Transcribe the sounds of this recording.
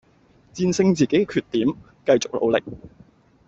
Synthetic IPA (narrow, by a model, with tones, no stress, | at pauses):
t͡siː˧nsɪ˥˧ŋt͡siː˨˩ke˨˥jkɛː˧kʰyː˧t̪̚ːiː˨˥m | kɐ˧jt͡sʊ˨k̚lo̰˨˧wlɪ̰˨k̚